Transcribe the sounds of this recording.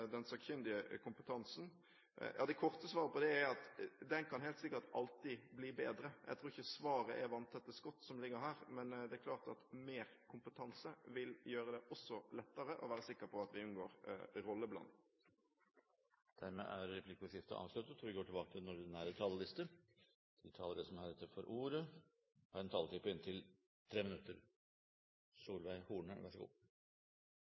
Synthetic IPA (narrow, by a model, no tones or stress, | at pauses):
d̪ɛnsɑɡçʏnd̪ɪəkʰʊmpət̪ʰɑnsn̩ | jʔɑːd̪ɛkʰɔʁt̪əsʋɑːɾəpɔd̪ɛæɑt̪d̪ɛnkʰɑnɦeːlt̪sɪkːəʈ̪ɑlt̪ibliːbeːd̪ɾəjʔæɪt̪ʰɾuːɾɪçəsʋɑːɾəʔɛʋɑnt̪ʰɛt̪ːəskɔt̪ːsɔmlɪɡːəɾɦæːɾmɛnd̪ɛæɾkʰlɑːʁt̪ɑt̪meːɾkʰʊmpət̪ʰɑnsəʋɪljøːɾəd̪ɛʔɔsːɔlɛt̪ːəɾəʔɔ̰ʋæːɾəsɪkːəpʰɔɑt̪ʋɪʉnɡoːɾɾɔlːəblɑ̰n | d̪̥æɾmḛːʔæɾːɛpʰlɪkəʂɪft̪ə̰ʔɑ̰ːʋʂlʉt̪ːət̪ʰɔɾʋɪɡoːʈʰɪlbɑːkət̪ʰɪlɛnʊd̪ɪnæːɾət̪ʰɑːləlɪst̪ə | d̪̥ʰɪt̪ʰɑːləɾəsɔmhɑːɾɪt̪ːəfɔɾʔuːɾə | hɑːɾɛnt̪ʰɑːlt̪ʰɪpːəɪnt̪ʰɪl | t̪ʰɾeːmɪnʉt̪ːəɾ | suːlʋæɪhuːɳəʋɑʂəɡo̰ː